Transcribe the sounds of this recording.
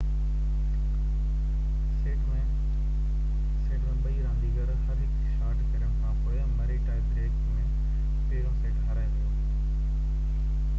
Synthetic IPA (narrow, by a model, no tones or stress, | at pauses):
e | mẽ | seːɖə̃ɓɐiɾãːnd̪iɡɐɾɦɐɾɦɪkʃaːɾʈkɐɾəɽ̃kʰãːpoːjamɐɾeʈaːɪp̚t̪ʰeːkː | mẽ | peːɾõseɖʱaːɾaːjõt̪o